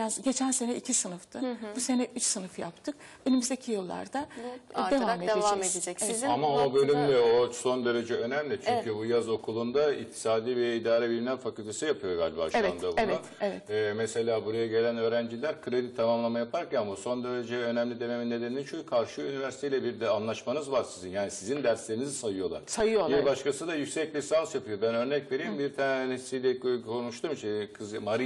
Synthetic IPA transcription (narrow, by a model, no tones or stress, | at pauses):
ɟe̞t͡ʃʰænse̞nɛicʰisɯnɯft̪ʰɯbuse̞nɛʔyt͡ʃsɯnɯfja̰pt̪ʰɯk | ønymyzd̪ecʰijɯlˠːa̰ɾd̪ae̞vamed̪ived̪ed͡ʒɛezamaobølʲymlʲɛoso̞nd̪e̞ɾe̞d͡ʒɛønæmlʲit͡ʃʰyɲcʰybujazo̞kʰulˠund̪aḭçt̪ʰi̥saːd̪iːvɛid̪aːɾɛbilʲminʲælʲfakylʲt̪ʰesɯjapʰɯjo̞ɾɡalʲba̰ʃvɛanabeɛat̪vɛmese̞lʲaːbuɾajaɟe̞lʲænø̞ːɾænd͡ʒilʲæɾkʰɯɾe̞d̪it̪ʰamamlˠamajapʰaɾɾkcanmaso̞nd̪e̞ɾe̞d͡ʒɛø̞nɛmlʲid̪e̞meminːe̞d̪enint͡ʃʰojukʰaɾʃɯynivæɾsit̪ʰeilʲɛbiɾd̪ɛanlˠaʃmanɯzvaɾsizinjaːnisizind̪æɾslʲe̞ɾinizisajɯjo̞lˠa̰ɾ̥sajɯjobiɾbaʃkʰasɯd̪ajycsɛclʲisansjapʰɯjo̞bænø̞ɾnɛcve̞ɾijmbiɾt̪ʰanesijlʲɛkʰo̞nuʃt̪ʰumt͡ʃʰikʰɯzmaɾi